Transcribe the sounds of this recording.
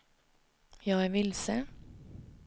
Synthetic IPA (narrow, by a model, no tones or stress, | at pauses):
jɑːæːʋɪlsə